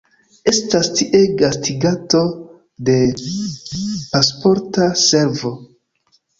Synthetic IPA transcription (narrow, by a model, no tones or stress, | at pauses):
e̞stastiʔe̞ɡastiɡato̞ | de̞ | paspo̞ɾtase̞ɾvo̞